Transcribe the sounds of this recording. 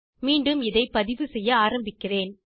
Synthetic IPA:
miːɳɖɯmɪðɐɪpɐðɪʋɯsɛjːɐaːɾɐmbɪkːɪreːn

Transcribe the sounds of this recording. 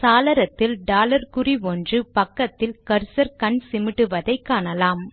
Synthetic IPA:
saːlɐɾɐt̪ːɪlɖaːlɐɾkɯriʋɔndrɯpɐkːɐt̪ːɪlkɐɾsɐɾkɐɳsɪmɪʈːɯʋɐðɐɪkːaːnɐlaːm

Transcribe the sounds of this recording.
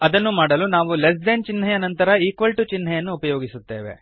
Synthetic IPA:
ɐd̪ɐnːumaːɽɐlunaːʋules̬d̪eːnt͡ʃinːɦɐjɐnɐnt̪ɐɾɐiːkʋɐlʈut͡ʃinːɐjɐnːuːpɐjoːɡisut̪ːe̞ːʋe̞̰

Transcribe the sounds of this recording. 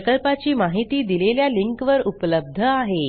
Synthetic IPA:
kəlpat͡ɕiːmaɦit̪iːd̪ileljaliŋkʋəɾupləb̚d̪ʱəaɦe

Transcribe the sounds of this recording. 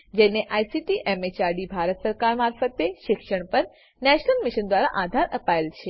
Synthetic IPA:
d͡ʒeneʔajsiʈiʔɛmet͡ʃaɾɖibʱaɾət̪səɾkaɾmaɾfət̪eʃɪkʃəɳpəɾ | nɛʃnəlmiʃənd̪ʋaɾaʔad̪ʱaɾəpaelt͡ʃʰe

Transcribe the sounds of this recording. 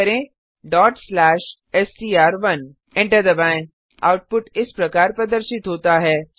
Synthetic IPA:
ɐɾẽ | ɖɔːʈslɛːʃ | ɛssiːaːɾʋɐn | ɛ̃ɳʈəɾd̪ɐbãːɪ̃n | a̰ːʊʈ̚pʊʈɪspɾɐkaːɾpɾɐd̪əɾʃɪt̪ɦoːt̪aɦɛː

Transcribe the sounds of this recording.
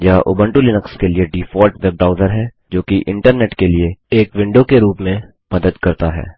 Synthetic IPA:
jaʔʊ̰bə̃ɳʈulɪnəkskelieɖiːfɔːlʈʋeb̚ɖɾaːʊzəɾɦɛː | d͡ʒoːkiʔɪ̃ɳʈəɾneːʈkelieeːkʋɪ̃ɳɖokeɾuːpmẽ | mɐd̪əd̪kɐɾt̪aɦɛ̰ː

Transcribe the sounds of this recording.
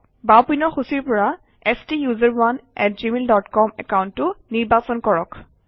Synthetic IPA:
bawpinɔxusiɹpɔɹa | ɛstijuzəɹwanɛ̰tzimeldɔtkɔmɛ̰kawntːʊniɹbasɔnkɔɹɔk

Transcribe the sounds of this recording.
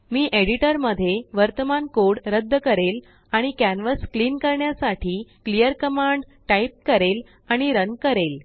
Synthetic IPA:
miːʔeɽiʈəɾməd̪ʱːjeʋəɾt̪əmankoɽɾəd̪ʱːəkəɾel | aɽ̃ikænʋəskliːnkəɾɳjasaʈʰiːklijəɾkəmaɳɖʈaip̚kəɾel | aɽ̃iɾənɡkəɾel

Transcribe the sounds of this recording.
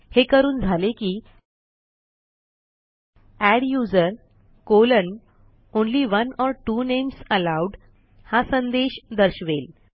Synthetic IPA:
hekəɾuːnd͡zʱalekiː | æɽjuːd͡zəɾ | kolən | onliːʋənɔɾʈuːnemsəlawɖ | hasənd̪eɕd̪əɾɕʋel

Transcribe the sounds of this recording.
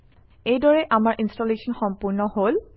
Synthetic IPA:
ejdɔɹɛʔamaɹʔinstolesɔnxɔmpuɹnɔhol

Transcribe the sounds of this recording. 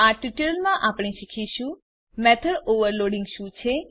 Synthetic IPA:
aʈiʈəlmãʔapɳ̃eʃikʰiʃũ | mɛt̪ʰəɽoʋəɾloɽiŋɡʃũt͡ʃʰe

